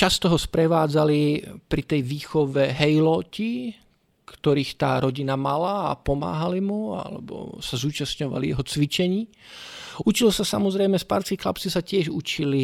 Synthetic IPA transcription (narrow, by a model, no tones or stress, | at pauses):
t͡ʃast̪ɔɦɔspɾɛʋaːd͡zalipɾit̪ɛjʋiːxɔʋɛɦɛjlɔci | kt̪ɔɾiːxt̪a̰ːɾɔɟinamala̰ːpɔma̰ːɦalimua̰lɛ̰bɔ̰sazuːt͡ʃasɲɔʋa̰lijɛɦɔt͡sʋit͡ʃɛɲiː | ut͡ʃilɔsasamɔzɾɛjmɛspa̰ɾt͡skixla̰pt͡sisacɪɛʒut͡ʃili